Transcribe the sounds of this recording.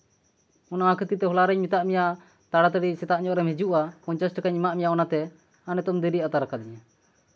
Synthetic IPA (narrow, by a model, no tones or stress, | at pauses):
ɔnaakʰət̪it̪ɛɦɔlaɾɛɲmit̪aʔmijaʔ | t̪aɽat̪aɖisɛt̪aʔɲɔʔɾɛmɦɛd͡ʒuʔapɔɲt͡ʃasʈkaɲimaʔmijaʔɔnat̪ɛ | anɛt̪ɔmd̪iɾiʔat̪aɾakad̪iɲɛ